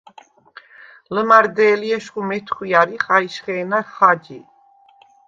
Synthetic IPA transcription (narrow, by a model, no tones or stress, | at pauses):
ləmaɾd̪ɛːliɛʃχumɛt̪ʰχwiaɾiχaiʃχɛːnaχad͡ʒḭ